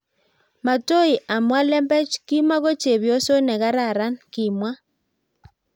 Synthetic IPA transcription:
ma˨to˦i˨ʔa˨mwa˦lɛ˦mbɛ˦t͡ʃki˦mwa˦ɣo˦t͡ʃe˨βjo˦so˦nɛ˨ɣa˦ɾa˦˨ɾa˦nki˨mwa˦

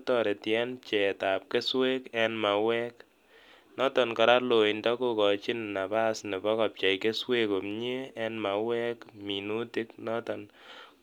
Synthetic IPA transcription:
tɔ˨ɾe˨tjɛ˦np̚t͡ʃɛ˨ta˨p̚ke˦swe˦kɛ˦nma˨wɛ˦k | nɔ˦tɔ˨nkɔ˨ɾa˦lo˨i˨ndɔ˦ko˦kɔ˨t͡ʃi˦nːa˨ba˦sne˨bɔ˦kɔ˨p̚t͡ʃa˨jke˦swe˦ko˨mɲe˦ɛ˦nma˨wɛ˦kmi˨nu˦ti˦knɔ˦tɔ˨n

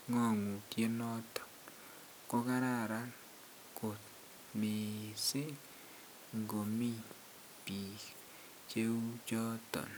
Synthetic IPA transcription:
ŋɔ˦˨ŋu˨tje˦nɔ˦tɔ̥˨n | ko˦ka˦ɾa˦˨ɾa˦n | ko˨t̚ | me˨sɪ˦ | ŋɡo˨mi˦ | pi˨k | t͡ʃe˦u˦t͡ʃɔ˦tɔ̰˨n

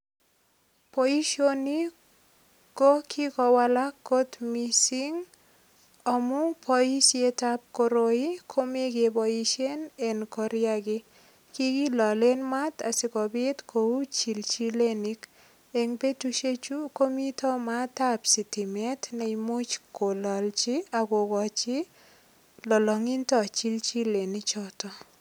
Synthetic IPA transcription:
poi˦ʃoni | ko˦kʰi˦kɔ˧walakːo˦t̪misiŋ | ɔmʊ˦pʰɔi˦sje˦tap̚koɾoikʰo˦me˦ɡebojiʃe˦nɛ˨nkɔɾjaɡɪ | ki˦ɡi˦lɔ˨le˦nma˦ta˨sɪ˨kɔ˨bɪ˦tkʰo˨u˦t͡ʃi˨lt͡ʃi˦le˦ni˦k | e˨ŋpe˦tu˦ʃe˦t͡ʃu˦ko˦mi˦tɔ˦ma˦ta˦psi˨tɪ˨mɛ˦tnɛ˨imʊ˦t͡ʃko˨lɔ˨lt͡ʃɪ˦a˨ɡo˨ɡɔ˨t͡ʃɪ˦ | lɔ˨lɔ˨ŋi˦ntɔ˦˨t͡ʃi˦lt͡ʃi˦le˨nɪ˦t͡ʃɔ˦tɔ˦

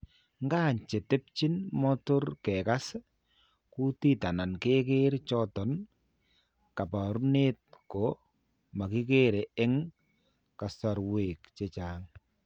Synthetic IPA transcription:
ŋɡaː˦ɲt͡ʃe˨tɪ˦p̚t͡ʃɪ˦nmɔ˦to˦rkɛ˨ka˦s | ku˦ti˦ta˨na˨nke˦ke˦ɾt͡ʃɔ˦tɔ˨n | ka˨pa˨ɾu˦ne˦t̚kɔ˨ | ma˨ki˦ke˦ɾe˨ɪ˦ŋ | ka˨sa˨ɾwe˨kt͡ʃe˦t͡ʃaːŋ

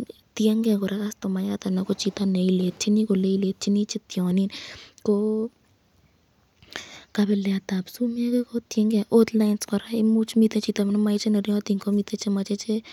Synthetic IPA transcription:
tjɛ˦ŋɡe˦a˨kɔ˨ɾa˦ka˦stɔ˨ma˨jat̪a˨nɛkɔ˦t͡ʃi˧t̪ane˨ilet̚t͡ʃi˦ni˦ko˨le˦ile˨t̚t͡ʃi˦ni˦t͡ʃɪ˦t̪jɔ˨ni˦nkɔ˦ | ka˧bɛla˨ta˨psume˦ke˦kot̪ɛ˦ŋɡja˨ʔot̪lajnskɔ˨ɾa˦ɪmu˦t͡ʃmi˧t̪ɛ˦t͡ʃi˨t̪a˨m˦nma˧ɪt͡ʃe˦ne˨ɾjɔa˦t̪i˨ŋko˦mi˧t̪e˦t͡ʃema˧t͡ʃe˦t͡ʃe

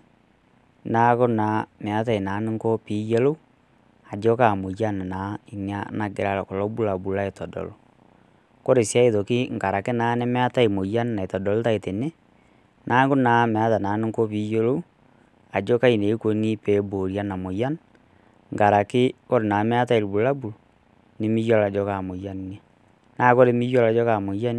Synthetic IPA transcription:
na˦ɣo˦na˨mɛ˨a˨˦ta˦e˨na˨˦ne˦ŋko˦pi˦jɛ˦lo˦u˦ | a˨d͡ʒo˦ka˦˨mo˨ja˦na˨na˨i˨ɲa˦na˨ɡe˨ɾa˨˦ɾɔ˨kɔ˨lɔ˦bu˦la˨bu˨la˦e˨tɔ˨dɔ̰˨lɔ˨ | ko˦ɾe˨sja˦e˨ðo˨ki˦ŋɡa˨ɾa˨ke˦na˨˦nɛ˦mɛ˦a˦ta˦e˨mo˨ja˦nna˨e˨tɔ˨dɔ˨lo˦ta˦e˨te˨ne˦ | nʔa˦ŋɡo˦na˨mɛ˨a˦ta˨na˨˦no˦ŋko˦βi˨˦jo˦lo˦u˦ | a˨d͡ʒo˦ka˦i˨ne˨˦ko˨˦ni˦pe˨˦bo˨ɾja˦na˨mo˨ja˦n | ŋɡa˨ɾa˨ke˦o˦ɾe˨na˨mɛ˦a˦ta˦e˨ɾi˨bu˨la˦bu˨lo˨ | ne˦mi˦jɔ˦la˨d͡ʒɔ˦ka˨mo˨ja˦nna˦ | na˨˦ko˦ɾe˦mi˦jo˦la˨˦d͡ʒɔ˦ka˨mo˨ja˦n

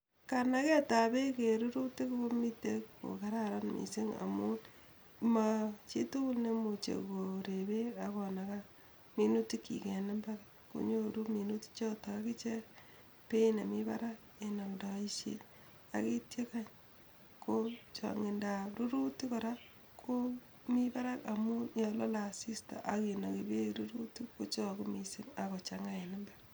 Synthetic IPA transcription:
ka˨na˦ke˦ta˨be˦ke˨ɾu˦ɾu˦ti˦ku˦ko˦mi˦te˦ko̰˨ka˦ɾa˦ɾa˦nmʔḭ˨se˦ŋa̰˨mu˦ | ma˨t͡ʃi˦tu˦ku˦lne˦mu˨t͡ʃḛ˨ko˨ɾe˨be˦a˨kɔ˨na˨ka˦ | mi˦nu˦ti˦kḭ˨ke˨na˦mba˦ɾa | ko̰˦ɲo˦ɾu˦mi˨nu˦ti̥˦t͡ʃɔ˦ta˨ka˦ki˦t͡ʃe˦ | pe˦na˨mi˦ba̰˦ɾa˦k | e˨nɔ˨ŋdɔ˨i˦ʃḛ˦ | a̰˨ki˦tje˦ka˦ɲ | ko˦t͡ʃɔ̰˨ŋe˨nda˨ɾu˦ɾu˦ti˦kɔ˨ɾa˦ | kʰo˦ | mi˦ba˦ɾa˦ka˨mu˦jɔ˨lɔ˦la˨si˦sta̰˨ʔa˨ke˨no˨ki˨be˦ɾu˦ɾu˦ti˦ko˦t͡ʃɔ˦ku˦mi˨sɪ˦ŋa˨kɔ˨t͡ʃa˨ŋa˦e˨nɪ˦mba˦ɾ

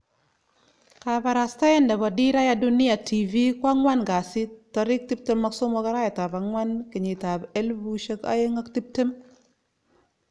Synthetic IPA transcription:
ka˨ba˨ɾa˨sta˦jɛ˦nda˨bɔ˨di˦ɾa˦ja˦du˦ni˦ja˨tʰi˨vi˦kwa˦ŋwa˦nɡa˨sɪ˦tːɔ˨ɾɪ˦k̚ti˦p̚te˦mːa˦kso˦mɔ˦ka˦ɾa˦jɛ˨ta˨ba˨ŋwa˦nkɪ˨ɲi˨ta˨be˦lbu˦ʃe˦ka̰˦je˦ŋa˦kti˦p̚te˦m

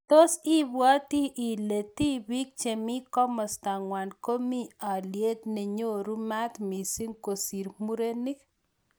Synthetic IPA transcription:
t̪o˦si˦bwa˦t̪i˦ʔi˨le˨t̪i˦bi˦k̚t͡ʃe˨mi˦kɔ˦mɔ˨st̪a˨ŋwa˨nko˦mi˦a˨lje˦t̪ne˨ɲo˦ɾu˦ma˦t̪mi˨si˦ŋko˨si˨ɾmu˦ɾe˦ni˦k

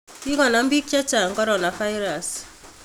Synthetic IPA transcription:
i˦ŋɔ˨na˨m̩˦bi˦k̚t͡ʃa˦t͡ʃa˨ŋ̩˨kɔ˦ɾɔ˦na˨fa˦jɾa˨s

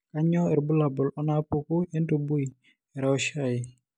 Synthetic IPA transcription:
ka˦ɲɔ˦ɛ˨ɾbu˦la˨bɔ˨lɔ˦na˦pu˦ku˦e˦nto˨bu˦j | ɛ˨ɾa˨ɔ˦ʃa˨ɪ˨

